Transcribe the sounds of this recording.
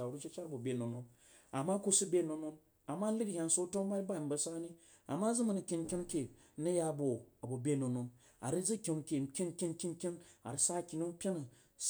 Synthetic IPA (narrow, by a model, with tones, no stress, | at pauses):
a˨ɾu˦t͡ʃi˦t͡ʃa˦ɾbo˨bʲe˨no˨no˨n | a˨mːa˦ku˦su˦bʲe˦˨no˧no˧n | a˨mːa˦li˦dhʲa˧n˨so˦to˦ŋ˦ba˦i˦ba˦˨i˨m̩˦bɐ˨sa˦ni˦ | a̰˨mːa˦zɨ˦mɐ˨nɐ˨kʲi˧nkʲi˦n˦kʲe˨˦ | nɐ˦ja˦˨bo˨a˨bo˨bʲe˦no˨no˨n | a̰˨ɾi˦d͡zi˦kʲi˨ŋ˦kʲe˨˦kʲi˦nkʲi˦nkʲi˦nkʲi˦na̰˨ɾi˨sa˦˨kʲi˨nu˦m˦pʲe˦nɐ˨